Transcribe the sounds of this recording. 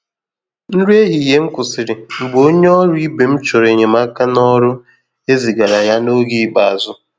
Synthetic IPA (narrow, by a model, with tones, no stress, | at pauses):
n̩˦ɾe˦ɦi˨ɦe˦ŋ̩˦kʊ˨sɪ˨ɾɪ˨ŋ͡m̩˨ɡ͡bo˨o˦ɲe˦ɔ˦ɾʊ˦i˦be˨m̩˦t͡ʃo˨ɾe˨ɲe˨ma˦ka˦nɔ˦ɾʊ˦ | e˦zi˨ɡa˨ɾa˨ja˦no˦ɡi˦ba˨a˨zʊ˦